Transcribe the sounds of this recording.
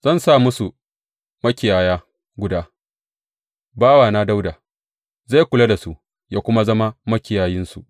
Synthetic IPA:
z̥ɐ˦˨nsaː˦˨mʊ˦su˨ | mɐ˦kʲɪ˨jaː˨jaː˦ | ɡʷʊ˨daː˦ | baː˦waː˨naː˦da˦wda˨ | za˦˨kʷʊ˨la˦da˨su˦ʔ | jaː˦kʷʊ˦ma˦zɐ˦ma˦mɐ˦kʲɪ˨jaː˨jɪ˦nsṵ˨ʔ

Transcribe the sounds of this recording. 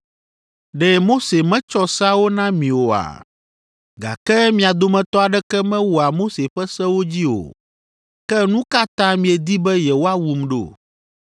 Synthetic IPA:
ɖɛ˦mo˦se˨mɛ̃˦t͡ʃɔ˦sa˦wo˦nã˦mĩ˨wo˨a̰˨ | ɡa̰˨kɛ˦mĩ˨a˨d̪o˨mɛ̃˨t̪ɔ˦a˨ɖɛ˦kɛ˦mɛ̃˦wu˨a˨mo˦se˨ɸɛ˦sɛ˦wo˦d͡ʑi˦o̰˨ | kɛ˦nũ˦ka˦t̪ã˦mĩ˨ɛ˨d̪i˦bɛ˦jɛ˨wo˦a˦wu˨mɖo̰˦˨

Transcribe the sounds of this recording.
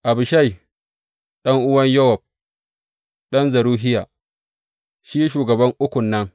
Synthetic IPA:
ʔa˨bʊ˨ʃa˦j | ɗɐ˦ŋʔʊ˦wɐ˦ɲjɐ˦wɔ˨b̚ | ɗɐ˦nzɐ˨ɾuː˦ɦɪ˦jaː˨ | ʃiː˦ʃuː˨ɡɐ˨bɐ˦ŋʔʊ˦kʷʊ˨nːɐ˦ŋ

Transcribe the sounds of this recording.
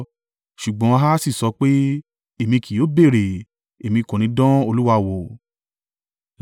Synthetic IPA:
ʃu˨ɡ͡bɔ̃˨˦˧ɦa˦si˦˨sɔ˨˧˦k͡pe˦ | e˦˨mĩ˧kʰi˨jo˨˦be˦˨ɾe˨ | e˨mĩ˧kũ˨nĩ˨˦dɔ̃˦o˧lu˦wa˧˨wɔ˨

